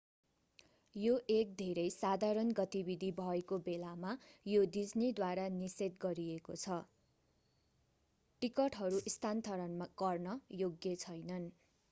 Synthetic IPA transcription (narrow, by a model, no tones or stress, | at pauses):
joʔek̚d̪ʱeɾʌjsad̪ʱaɾʌnɡʌt̪ibid̪ʱibʱʌekobelamajod̪id͡znid̪waɾaniset̪ɡʌɾiekot͡sʰʌ | ʈikʌʈɦʌɾuʔist̪ʰant̪ʰʌɾʌnmaɡʌrnʌjoɡjʌt͡sʰʌjnʌn